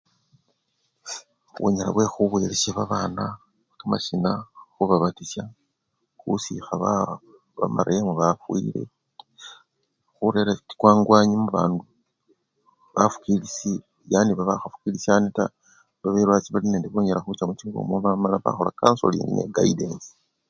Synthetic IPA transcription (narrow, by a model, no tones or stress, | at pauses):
βʔo̰ɲela̰βwe̞xuβwe̞lesaβaβana | kamaʃinaxuβaβatisja | xṵsḭxaβa | βamaɾeamuβafwḭle̞̰ | xuɾeɾaki̥kwaːŋɡwaːɲimuβa̰ːndu | βafu̥kilisi | janiβaβaxafu̥kilisaneta̰ | βaβeɾwat͡siβalineːndeβoɲelaxut͡ʃamut͡ʃiuβo̰mweβamalaβa̰xo̞la̰kaːnso̰lḭnḭɲḛɡaidensi̥